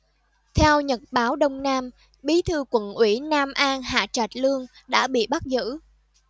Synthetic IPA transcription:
t̪ʰɛ˧wɲə˨˩t̚ɓaː˨˦wɗə˧wŋ͡mnaː˧m | ɓi˨˦t̪ʰɨ˧kwə̰˧˨nʔwi˧˩naː˧mʔaː˧ŋɦa̰ː˧˨t͡ɕa˨˩t̚lɨ˧əŋ | ɗa̰ː˧˥ɓḭ˧˨ɓa˦˥t̚zɨ̰˧˥

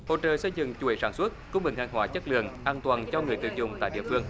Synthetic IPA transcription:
ho̰˧˨t͡ɕə̰ː˧˨sə˧jzɨ̰˧˨ŋt͡ɕu˨˧˩e˨˦saː˧˩nswə˦˥t̚kə˧ŋ͡mi˨˧˩ŋhaː˨˩ŋɦwaː˧˦t͡ɕə˦˥t̚lɨ̰˧˨əŋʔaː˧nt̪waː˨˩nt͡ɕɔ˧ŋɨ˨˩əjt̪ɨ̰˧˨˩zʊ̰˧˩ŋ͡mt̪a̰ː˧˨jɗḭ˧˨əfɨ˧əŋ

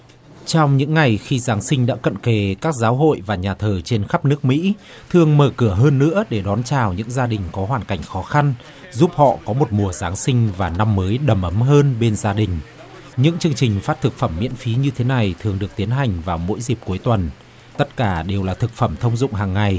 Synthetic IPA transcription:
t͡ɕɔ˧wŋ͡mɲɨ̰˧˥ŋːa˨˩jxi˧zaː˨˦ŋsï˧ŋ̟ɗa̰ː˧˥kə̰˧˨nke˨˩kaː˦˥k̚zaː˨˦wɦo̰˧˨jvaː˨˩ɲaː˨˩t̪ʰəː˨˩t͡ɕe˧nxa˦˥p̚nɨ˦˥ək̚mḭ˧˥ | t̪ʰɨ˨˩əŋməː˧˩kɨ˧˩əɦəː˧nːɨ̰˧˥əɗe˧˩ɗɔ˨˦nt͡ɕaː˨˩wɲɨ̰˧˥ŋzaː˧ɗï˨˩ŋ̟kɔ˨˦ɦwaː˨˩nka˧˩jŋ̟xɔ˨˦xa˧n | zu˦˥p̚hɔ̰˧˨kɔ˨˦mo˨˩t̚mu˨˩əzaː˨˦ŋsï˧ŋ̟vaː˨˩na˧mːəː˨˦jɗə˨˩mʔə˨˦mɦəː˧nɓe˧nzaː˧ɗï˨˩ŋ̟ | ɲɨ̰˧˥ŋt͡ɕɨ˧əŋt͡ɕï˨˩ŋ̟faː˦˥t̚t̪ʰɨ˨˩k̚fə˧˩mːḭ˧˥ənfi˨˦ɲɨ˧t̪ʰe˨˦na˨˩jt̪ʰɨ˨˩əŋɗɨ˨˩ək̚t̪i˨˦ənɦa˨˩jŋ̟vaː˨˩wmo̰˧˥jzi˨˩p̚ku˨˦jt̪wə˨˩n | t̪ə˦˥t̚kaː˧˩ɗe˨˩wlaː˨˩t̪ʰɨ˨˩k̚fə˧˩mt̪ʰə˧wŋ͡mzʊ̰˧˨ŋ͡mɦaː˨˩ŋːa˨˩j

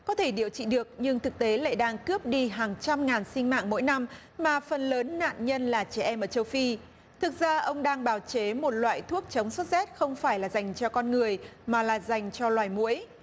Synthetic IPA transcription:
kɔ˨˦t̪ʰe˧˩ɗi˧˩əwt͡ɕḭ˧˨ɗɨ˨˩ək̚ɲɨ˧ŋt̪ʰɨ˨˩k̚t̪e˨˦la̰ː˧˨jɗaː˧ŋkɨ˦˥əp̚ɗi˧ɦaː˨˩ŋt͡ɕa˧mŋaː˨˩nsï˧ŋma̰ː˧˨ŋmo̰˧˥jna˧m | maː˨˩fə˨˩nləː˨˦nːa̰ː˧˨nɲə˧nlaː˨˩t͡ɕɛ˧˩ʔɛ˧mʔəː˧˩t͡ɕə˧wfi˧ | t̪ʰɨ˨˩k̚zaː˧ʔə˧wŋ͡mɗaː˧ŋɓaː˨˧˩wt͡ɕe˨˦mo˨˩t̚lwa̰ː˧˨jt̪ʰu˦˥ək̚t͡ɕə˨˦wŋ͡msə˦˥t̚zɛ˦˥t̚xə˧wŋ͡mfaː˧˩jlaː˨˩za˨˩jŋ̟t͡ɕɔ˧kɔ˧nŋɨ˨˩əjmaː˨˩laː˨˩za˨˩jŋ̟t͡ɕɔ˧lwaː˨˩jmṵ˧˥əj

